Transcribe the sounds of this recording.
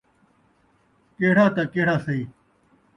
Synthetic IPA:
keːɽaːt̪akeːɽaːsɐiː

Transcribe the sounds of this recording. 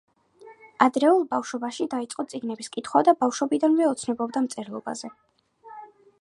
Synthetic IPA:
ad̪ɾɛulˠbafʃɔbaʃid̪ait̪sʼqʼɔt̪sʼiɡnɛbiskʼit̪ʰχwad̪abafʃɔbid̪anvɛɔt̪sʰnɔbɔbd̪amt̪sʼɛɾlˠɔba̰zɛ

